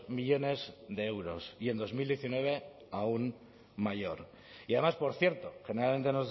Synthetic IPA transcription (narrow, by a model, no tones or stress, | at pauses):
miʎo̞ne̞zðe̞ewɾo̞sie̞nd̪o̞zmild̪jeθinwe̞β̞e̞ | aun | maʝo̞ɾ | iaðe̞maspo̞ɾθje̞ɾt̪o̞xe̞neɾalme̞nt̪e̞noz